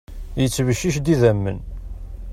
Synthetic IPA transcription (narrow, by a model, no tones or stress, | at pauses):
jət͡sːvəʃːiʃd̪iðæmːə̰n